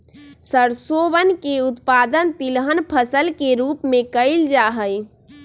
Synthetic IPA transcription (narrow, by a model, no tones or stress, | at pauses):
səɾsobənkeʊt̪pad̪ənt̪ilɦənpʰəsəlkeɾuːpmẽkəɪld͡ʒaɦəj